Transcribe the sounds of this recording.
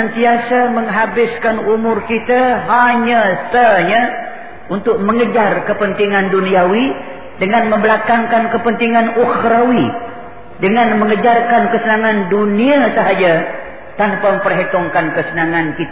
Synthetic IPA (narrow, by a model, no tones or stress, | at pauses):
ənt̪iasaməŋɦabɪskanumʊrkit̪aɦaɲasaɲa | unt̪ʊk̚məŋəd͡ʒarkəpənt̪iŋanduniawi | dəŋanməmbəlakaŋkankəpənt̪iŋanuxɾawi | dəŋanməŋəd͡ʒarkankəsənaŋanduniasəɦad͡ʒa | t̪anpamə̃mpərɦet̪ɔŋkankəsənaŋankit̪